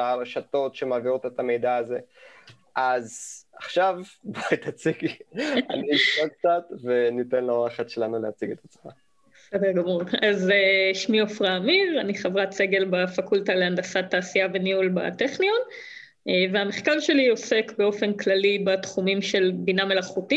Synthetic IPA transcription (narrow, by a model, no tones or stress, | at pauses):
aɾeʃato̞tʃemaːviʁotet̪ame̞jd̪aːze | ʔazaχʃavbait̪at͡siɡa̰nniiʃtok̚t͡sat̪venitenloʁaχetʃelanuleat͡siɡet̪at͡sma | besedeʁɡamuʁazeʃmiofʁaːmiʁaniχavʁat͡se̞ɡe̞lbafakultaleandasat̪ːaːsiave̞niulba̰teχnion | eveameχkaʁʃe̞lio̞se̞kbe̞o̞fe̞nklalibatχumimʃe̞lbiname̞laχuti